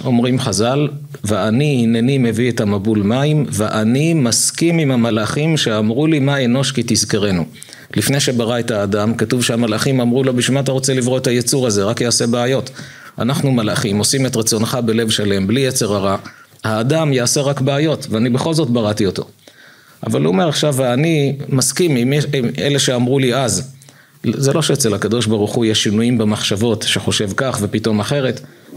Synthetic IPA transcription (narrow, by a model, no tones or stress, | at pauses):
o̞mʁimχazal | veaniinenime̞viethamabulmaimveʔanimaskimimhamalaχimʃe̞amʁulimaeno̞ʃkitizkeʁe̞nu | lifnejʃe̞baʁae̞taːdamkatuvʃehamalaχimamʁulobiʃmaat̪̬aʁo̞t͡selivʁoetʰajet͡suʁaze̞ʁakjaːse̞beajo̞t | a̰naχnumalaχimo̞sime̞tʁat͡so̞nχabe̞le̞vʃale̞mblijet͡se̞ʁaʁa | haːdamjaːse̞ʁakbeajo̞tveanibe̞χo̞lzo̞tbaʁatio̞to̞̰ | ʔa̰valuome̞ʁaχʃavːnimaskimimimele̞ʃeamʁuliaz | zelo̞ʃeet͡se̞lhakado̞ʃbaʁuχujeʃinujimbemaχʃavo̞tʃeχo̞ʃe̞vkaχve̞pito̞maχe̞ʁe̞t